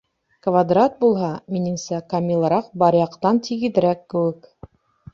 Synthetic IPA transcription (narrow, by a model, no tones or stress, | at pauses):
kvad̪rat̪̚bulˠɦɑminɘ̆ŋsækɐmʲilˠɾɑq̚bɑɾjɑqt̪ɑnt̪ʰiɡɘ̆ðɘ̆ɾækːɘ̆wɘk